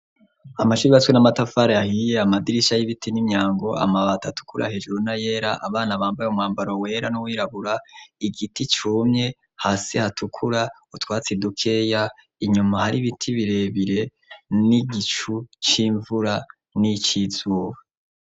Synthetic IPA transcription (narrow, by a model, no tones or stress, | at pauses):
amaʃuɾiβaswenamatafaːɾaahijeamadiɾiʃajiβitʰinimɲaːŋɡo̞a̰maβatatu̥kuɾa̰he̞ːd͡ʒuɾunaje̞ːɾaʔaβaːnaβaːmbajumŋwaːmbaɾowe̞ːɾanuwiːɾaβuɾaiɡitit͡ʃuːmɲe̞ | hasihatʰukʰuɾa | utwaːt͡sidukʰe̞ːja | iɲumahaɾiβitʰiβiɾe̞βiɾe̞ | niɡit͡ʃut͡ʃiːɱvuɾa | nit͡ʃiz̥uːβa